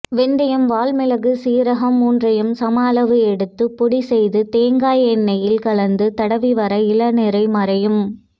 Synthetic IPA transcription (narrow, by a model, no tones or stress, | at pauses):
ʋɛnd̪ɐjɐmʋaːlmɪlɐɣɯsiːɾɐɣɐmːuːndrɐjɯmsɐmaːlɐʋɯɛɽɯt̪ːɯpːɔɽisɛjðɯt̪eːŋɡaːjɛnːɐjɪlkɐɭɐnd̪ɯt̪ɐɽɐʋiʋɐɾɐɪlɐnɛɾɐɪmɐɾɐjɯm